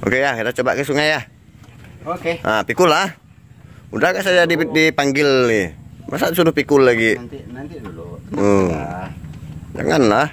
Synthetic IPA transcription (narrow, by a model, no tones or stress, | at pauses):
ʔo̰kejakit̪at͡ʃɔba̰ʔkasuŋajah | kʔapikulːah | udahɡaʔsad͡ʒadidipaŋɡilimasasudʊhpikulːaɡi | ə | d͡ʒa̰ŋanlah